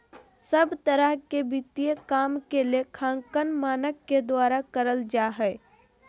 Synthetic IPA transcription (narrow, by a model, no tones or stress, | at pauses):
səbt̪əɾəɦkebit̪iekaːmkeliekʰãːŋkənmaːnəkːed̪waːɾakəɾəld͡ʒaːɦɛ